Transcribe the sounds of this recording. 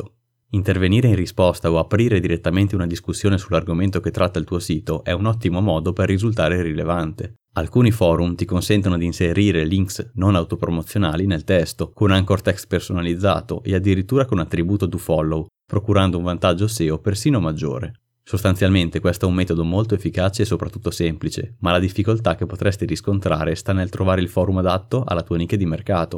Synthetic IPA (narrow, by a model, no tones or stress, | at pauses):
int̪erveniːɾeinrispɔst̪aoapɾiːɾed̪iɾet̪ːament̪eunad̪iskusːjoːnesularɡoment̪oket̪ːɾʔat̪ːailt̪uːosiːt̪oʔɛunɔt̪ːimomɔːd̪operːizult̪aːɾerilevant̪e | alkuːnifɔːɾumt̪ikonsɛnt̪onod̪iːnseɾiːɾeliŋksnonawt̪opɾomot̪sːjonaːlinelt̪ɛst̪okonaŋkort̪ɛkst̪personalid̪zːa̰ːt̪o̰ʔead̪ːiɾit̪ːuːɾakonat̪ːɾibuːt̪od̪ufɔlːow | pɾokuɾand̪ouɱvant̪ad͡ʒːoseːopersiːnomad͡ʒːo̰ːɾḛ | sost̪ant̪sjalment̪ekwɛst̪oɛumːɛːt̪od̪omolt̪oefːikaːt͡ʃeːsopɾat̪ːut̪ːosɛmplit͡ʃḛmalad̪ifːikolt̪ak̟ːepːot̪ɾɛst̪iɾiskont̪ɾa̰ːɾest̪anelt̪ɾovaːɾeilfɔːɾumad̪at̪ːoʔa̰lːat̪uːanikːed̪imerkaːt̪o